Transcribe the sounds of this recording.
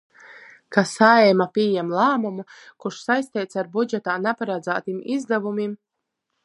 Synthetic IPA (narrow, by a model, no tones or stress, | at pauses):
kasaɛmapʲiɛjɛmlˠaːmumukuʃsajst̪ɛːt̪saɾbud͡ʒɛt̪aːnɛpaɾad̪zaːt̪imizd̪avumim